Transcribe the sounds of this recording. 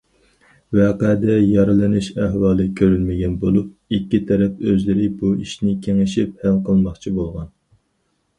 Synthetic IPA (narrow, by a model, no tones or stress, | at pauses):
vɛːqæd̪ɛjɑɾɨlˠɨnɨʃæɦwɑːlˠɨkʲʰøɾylmɪɡʲɛnbolˠup̚ikʲːit̪ʰɛɾɛpøzlɪɾɪbuiʃnɪkʲʰeŋɪʃip̚hælqəlˠmɑχt͡ʃʰibolˠʁɑn